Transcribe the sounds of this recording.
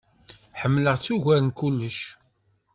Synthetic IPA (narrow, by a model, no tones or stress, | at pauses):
ħəmːləʁt͡sːuʝæɾənkulːəʃ